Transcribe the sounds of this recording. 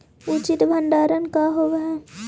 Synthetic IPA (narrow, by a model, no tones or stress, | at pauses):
ʊt͡ʃɪt̪bʱə̃ɳɖaːɾənkaɦoʋɛ